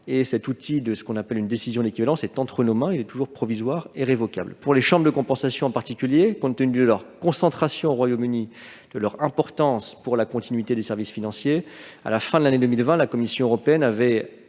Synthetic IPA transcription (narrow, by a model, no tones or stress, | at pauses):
esɛt̪ut̪ʰid̪əsə̥kɔ̃napɛlynd̪esizjɔ̃d̪ekʲivalɑ̃sɛt̪ɑ̃t̪χənomɛ̃ilɛt̪uʒuʁpχɔvizwaʁeʁevɔka̰blpuʁleʃɑ̃bʁd̪əkɔ̃pɑ̃sasjɔ̃ɑ̃paʁt̪ikʲyljekɔ̃t̪ːənydyd̪əlœʁkɔ̃sɑ̃t̪χasjɔ̃oʁwajomyni | d̪̥əlœʁɛ̃pɔʁt̪ɑ̃spuʁlakɔ̃t̪inɥit̪ed̪esɛʁvisfinɑ̃sjea̰lafɛ̃d̪əlaned̪əmilvɛ̃lakɔmisjɔ̃øʁɔpeɛnavɛ